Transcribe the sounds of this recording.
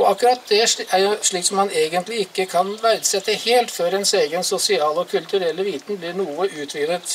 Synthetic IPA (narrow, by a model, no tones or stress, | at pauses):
ɔɑkʉɾɑt̪̚d̪ɛæɾjʊʂɭiːksɔmhɑneːɡənt̪lɪɪkːəkʰɑnʋæɾd̪sɛt̪ʰːəheːlt̪føːɾɛnseːɡənsɔsɪɑːlɔkʰʉlt̪ʉɾɛlːəʋiːt̪ən̩blɪɳuːəʔʉːt̪ʰʋɪɡd̪ət̪